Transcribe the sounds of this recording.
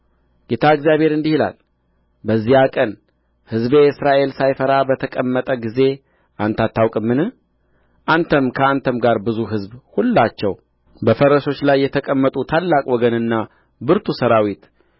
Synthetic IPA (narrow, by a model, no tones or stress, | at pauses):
ɡ̥et̪ʰaɨɡzjaβhe̞ɾɨnd̪ihila̰l | bəzːihakʼən | hɨzbeɨsɾaʔe̞lsajfəɾabət̪ʰəkʼəmːət̪ʼəɡize̞ | ʔant̪at̪ʰːawkʼɨmːɨnɨ | ʔant̪ʰəmkʰəant̪ʰəmɡaɾbɨzuɦɨzbhulːat͡ʃːɛw | bəfəɾəʃo̞t͡ʃːlajːɛt̪ʰəkʼəmːət̪ʼut̪ʰalːakʼwɔɡənɨnːa | bɨɾt̪ʰusəɾawit̪